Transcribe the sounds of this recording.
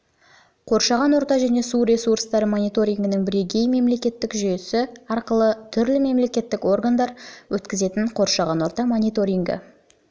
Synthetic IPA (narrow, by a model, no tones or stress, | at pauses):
qʰo̞ɾʃɑʁɑnwo̞ɾt̪ɑʒæne̞suɾe̞suɾst̪ɑɾəmo̞nijt̪o̞ɾʲijŋɡɪnɪŋbɪɾeɡʲe̞jme̞mle̞kʲe̞t̪ːɪkʒʏjesɪɑɾqəlˠət̪ʰʏɾlɪme̞mle̞kʲe̞t̪ːɪko̞rɡand̪ɑɾwɵt̪kʲɪze̞t̪ɪɴqʰo̞ɾʃɑʁɑnwo̞ɾt̪ɑmo̞nijt̪o̞ɾʲiŋɡə̰